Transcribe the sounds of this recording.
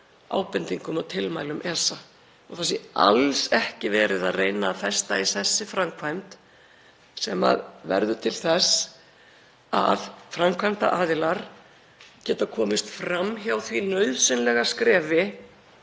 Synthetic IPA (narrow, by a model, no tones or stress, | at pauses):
a̰ːwpɛnt̪iŋkʏmawt̪ʰɪlmajlʏmʔɛsa | ɔɣθasɪa̰lsɛhcɪvɛːɾɪða̰ðrejnaθɛst̪aisɛsːɪfɾamkʰvajmt̪ | sɛma̰ðvɛ̰ɾðʏt̪ʰɪlθɛs | a̰ðfɾamkʰvajmt̪a̰ʔaːðɪlaɾ̥ | cɛːt̪akʰɔːmɪst̪fɾamçawθvinœɥðsɪnlɛɣaskɾɛːvɪ